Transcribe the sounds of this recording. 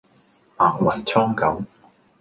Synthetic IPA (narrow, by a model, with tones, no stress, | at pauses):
aː˨˩ŋwɐ˨˩jt͡sʰɔː˥ŋkɐ˨˥w